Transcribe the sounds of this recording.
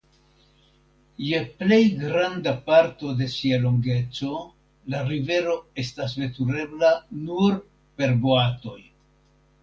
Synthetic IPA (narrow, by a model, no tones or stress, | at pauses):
je̞ple̞jɡɾandapaɾto̞de̞sialo̞ŋɡe̞t͡so̞ | laɾive̞ɾo̞e̞stas̬ve̞tuɾe̞blanuɾ | pe̞ɾboato̞j